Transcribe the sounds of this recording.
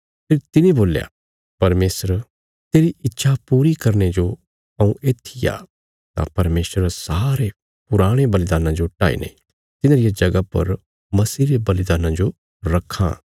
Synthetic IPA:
pʰeːɾt̪ɪnẽboːlja̰ | pɐɾmeːsəɾ | t̪eːɾiɪtːʃʰapuːɾikɐɾned͡ʒo | ɐũʔeːt̪ʰija̰ː | t̪a̰pɐɾmeːsɾsaːɾe | pʊɾaːɽ̃ebɐlɪd̪aːnãd͡ʒoʈaːḭːnḛ̃ | t̪ɪnãːɾɪjad͡ʒɐɡapɐ̰ɾ | mɐsiːɾebɐlɪd̪aːnãd͡ʒo | ɾɐkʰːã̰

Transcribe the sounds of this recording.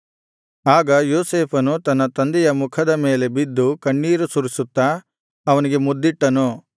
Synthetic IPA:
aːɡɐjoːseːpʰɐnut̪ɐnːɐt̪ɐnd̪ijɐmukʰɐd̪ɐme̞ːle̞bid̪ːukɐɳːiːɾusuɾisut̪ːɐ | ɐʋɐniɡemud̪ːiʈːɐnu

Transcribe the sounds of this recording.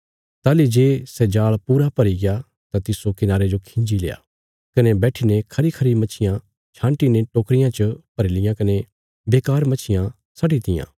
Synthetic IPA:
t̪aːlid͡ʒeːsɛd͡ʒaːɭpuːɾapɐɾiɡeja | t̪at̪ɪsokɪnaːɾed͡ʒokʰɪ̃ɲd͡ʒilḛːja̰ː | kɐnebɛːʈʰinekʰɐɾikʰɐɾimɐt͡ʃʰɪjã | t͡ʃʰãːɳʈineʈoːkɾɪjãt͡ʃəpɐɾɪlɪjãkɐne | beːkaːɾmɐt͡ʃʰɪjã | sɐɖit̪ɪjã̰ː

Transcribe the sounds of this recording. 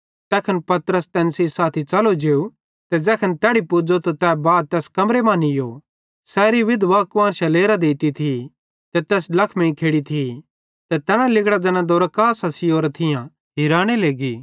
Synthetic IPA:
t̪ɛːkʰənpɐt̪ɾəst̪ɛ̃ːnsisaːt̪ʰit͡ʃɐlod͡ʒeːu | t̪ɛd͡ʒɛːkʰənt̪ɛːɽipʊd͡ʒot̪ot̪ɛːbaːd̪̚t̪ɛːskɐmɾemãːnijo | sɛːɾiʋɪd̪ʋaːkʋaːnʃɐleːɾad̪eːt̪it̪ʰi | t̪ɛt̪ɛːslɐkʰmẽĩkʰeːɽit̪ʰi | t̪ɛt̪ɛːnãlɪkɽad͡ʒɛːnãd̪oːɾakaːsɐsɪjoːɾat̪ʰɪjã | ɦiɾaːɽ̃eleːɡiː

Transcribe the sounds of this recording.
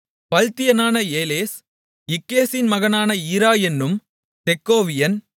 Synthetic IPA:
pɐlt̪ɪjɐnaːnɐeːleːs | ɪkːeːsɪnmɐɣɐnaːnɐiːɾaːjɛnːɯm | t̪ɛkːoːʋɪjɐn

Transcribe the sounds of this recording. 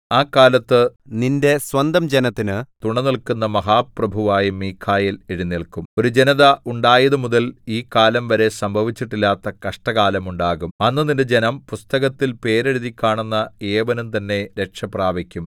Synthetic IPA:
aːkːaːlɐt̪ːɨninde̞swɐnd̪ɐmd͡ʑenɐt̪ːinɨt̪uɳɐniɭkunːɐmɐɦaːprɐbʱuʋaːjɐmiːkʰːaːjileɻunːiɭkumo̞ɾud͡ʑenɐðɐʔuɳɖaːjɐðɨmuðɐliːkaːlɐmʋɐɾe̞sɐmbʱɐʋit͡ɕːiʈːilːaːt̪ːɐkɐʂʈɐɣaːlɐmuɳɖaːɣumɐnːɨninded͡ʑe̞nɐmpust̪ɐɣɐt̪ːilpe̞ːɾeɻuðikʲːaːɳunːɐeːʋɐnumt̪ɐnːe̞ɾe̞kʂɐpraːbikʲːum

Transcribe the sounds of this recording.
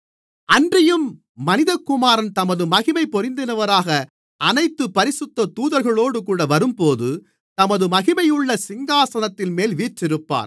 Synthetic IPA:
ɐndrɐjɯmː | ɐnɪðɐkːʊmaːɾɐnt̪ɐmɐðɯmɐɣɪmɐɪpːɔɾɪnd̪ɪnɐʋɐɾaːɣɐ | ɐnɐɪt̪ːɯpːɐɾɪsɯt̪ːɐt̪uːðɐɾɣɐɭoːɽɯkuːɽɐʋɐɾɯmpoːðɯ | t̪ɐmɐðɯmɐɣɪmɐjɯɭːɐsɪŋɡaːsɐnɐt̪ːɪlmeːlʋiːʈrɪɾɯpːa̰ːɾ

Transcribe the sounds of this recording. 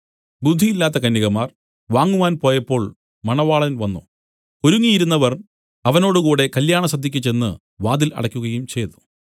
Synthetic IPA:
bud̪ʱːijilːaːt̪̬ːɐkɐnːiɣɐmaːr | ʋaːŋːuʋaːnpo̞ːjɐpːo̞ːɭ | mɐɳɐʋaːɭɐnʋɐnːṵ | o̞ɾuŋːijiɾunːɐʋɐr | ɐʋɐno̞ːɽukuːɽe̞kɐljaːɳɐsɐd̪ʱːikʲːut͡ɕːe̞nːɨ̰ | ʋaːd̪ilɐ̰ɽɐkʲːuɣɐjumt͡ɕe̞jt̪u̥

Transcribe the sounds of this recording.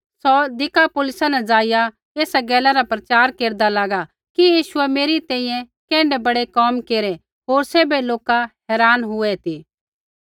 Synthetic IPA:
sɔd̪ɪkapʊlɪsãnɛd͡zaːɪja | eːsaɡɛːlaɾapɾɐt͡ʃaːɾkeːɾd̪alaːɡa | kijiːʃʊɛmeːɾit̪ɛ̃ːĩjɛ̃ | kɛ̃ːɳɖɛbɐɽekɔmkeːɾɛ | ɦoːɾseːbeloːkahɛːɾaːnɦʊɛt̪iː

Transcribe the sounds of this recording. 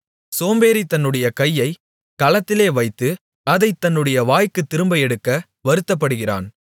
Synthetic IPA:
soːmbeːɾit̪ɐnːɯɽɐjɐkɐjːɐɪ | kɐlɐt̪ːɪleːʋɐɪt̪ːɯ | ɐðɐɪt̪ːɐnːɯɽɐjɐʋaːjkɯt̪ːɪɾɯmbɐjɛɽɯkːɐ | ʋɐɾɯt̪ːɐp̬ːɐɽɯɣɪra̰ːn

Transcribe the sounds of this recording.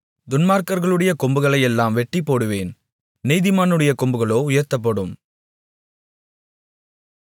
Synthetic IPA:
d̪ʊnmaːɾkɐɾɣɐɭɯɽɐjɐkɔmbɯɣɐɭɐjɛlːaːmʋɛʈːipːoːɽɯʋeːn | nɛɪðɪmaːnɯɽɐjɐkɔmbɯɣɐɭoːʊjɐɾt̪ːɐp̬ːɐɽɯm

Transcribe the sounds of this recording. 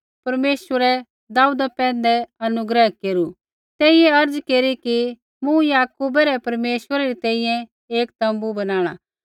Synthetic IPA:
pɐɾmeːʃwəɾɛ | d̪aːud̪apɛ̃ːnd̪ɛɐnʊɡɾɛɦkeːɾu | t̪ɛːɪjeɐɾd͡zkeːɾiki | mũjaːkuːbɛɾɛpɐɾmeːʃʋəɾɛɾit̪ɛ̃ːĩjɛ̃ | eːkt̪ɐ̃mbubɐnaːɽ̃a̰ː

